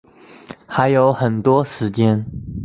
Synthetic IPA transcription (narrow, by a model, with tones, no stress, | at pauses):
xa˧˥ɪjo˧˥ʊxə˨˩nt̪wɔ˥ʂɻ̩˧˥t͡ɕjɛ˥n